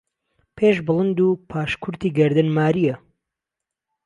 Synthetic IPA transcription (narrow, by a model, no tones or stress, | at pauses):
pʰeːʃbɨlˠɨnd̪upʰaːʃkʰʊɾt̪iːɡɐɾd̪ɨnmaːɾijɐ